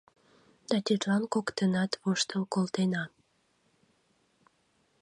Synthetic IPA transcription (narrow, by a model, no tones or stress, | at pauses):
d̪̥ɑt̪ʲit̪lɑnkokt̪ənɑt̪βuʃt̪əmkolt̪enɑ